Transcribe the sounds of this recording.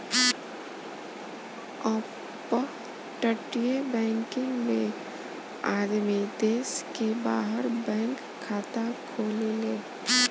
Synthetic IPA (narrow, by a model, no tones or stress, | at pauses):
ɔː | pə | ʈəʈijebɛ̃ːŋkɪ̃ŋɡmẽ | aːd̪mid̪eːskebaːɦəɾbɛ̃ːŋkʰːaːt̪akʰoːleleː